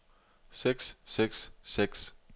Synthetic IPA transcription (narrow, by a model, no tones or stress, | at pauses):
seɡ̥sːeɡ̥sːeɡ̥s